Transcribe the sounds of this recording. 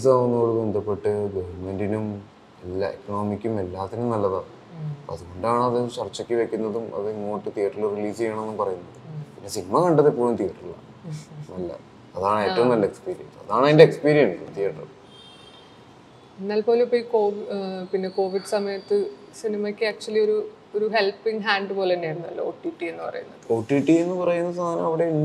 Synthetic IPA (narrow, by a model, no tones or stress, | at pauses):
isaːʋunːuoɭube̞nd̪ʱɐpːe̞ʈːɨɡɐʋɐrmendinum | elːa̰ekːɐnoːmikʲːume̞lːaːt̪ːinumnɐlːɐða | ɐðuɣo̞ɳɖaːɳɐðɨt͡ɕɐrt͡ɕːɐkʲːɨʋe̞kʲːunːɐðumɐ̰ðɨŋːoːʈːɨt̪ijɐʈːuɭːɐriliːsɨjaːɳenːumpɐrɐjunːɐðɨpinːe̞sinimɐkɐɳɖɐðipːoːɭumt̪ijɐʈːuɭːɐ̰ | nɐlːɐ̰ | ɐðaːɳe̞ːʈːɐʋumnɐlːɐekspiːɾijɐ̰nsɐðaːɳeðindeekspiːɾijɐnsɨt̪ijrʈːɐ | enːaːlpo̞ːlepːoiko̞ːʋpinːe̞ko̞ːʋiɖsɐmɐjɐt̪ːɨ | sinimɐkʲːɨak̚t͡ɕuɐlio̞ɾu | oɾuɦe̞lpːiŋɦaːɳɖɨpo̞ːlenːeːɽɐnːuɐlːo̰o̰ːʈːiːʈːie̞nːɨpɐ̰rɐ̰junːɐðɨoːʈːiːʈːienːɨpɐrɐjunːɐðst̪ʰːaːnɐ̰mɐʋiɽe̞i